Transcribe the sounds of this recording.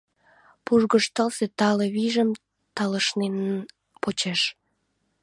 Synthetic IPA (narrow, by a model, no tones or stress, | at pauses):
puʒɣəʃt̪əlset̪ɑleβiʒəm | t̪ɑləʃnenən | pot͡ɕeʃ